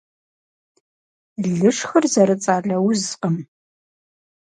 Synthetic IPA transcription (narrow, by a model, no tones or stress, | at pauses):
ɮɨʂxɐrzɐɾɨt͡sʼaːɮɐwzqəm